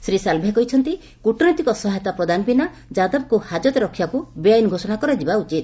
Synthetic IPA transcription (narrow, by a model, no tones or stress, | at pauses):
sɾisalbʱakɔɦit͡ʃʰɔnt̪i | kuʈɔnjt̪ikɔsɔɦajt̪apɾɔd̪anɔpina | d͡ʒad̪ɔbɔkuhad͡ʒɔt̪ɔɾɔkʰːjakubeajnɡʱosɔñakɔɾɔd͡ʒibaut͡ʃit̪̚